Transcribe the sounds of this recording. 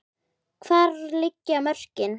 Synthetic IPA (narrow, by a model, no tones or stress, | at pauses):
kʰvaːɾlɪcːamœr̥cɪn